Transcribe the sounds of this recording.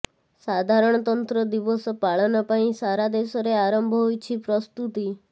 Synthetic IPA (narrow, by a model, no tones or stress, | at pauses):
sad̪ʱaɾɔɽ̃ɔt̪ɔnt̪ɾɔd̪ibɔsɔpaɭɔnɔpaĩsaɾad̪esɔɾeaɾɔmbʱɔɦojt͡ʃʰipɾɔst̪ut̪i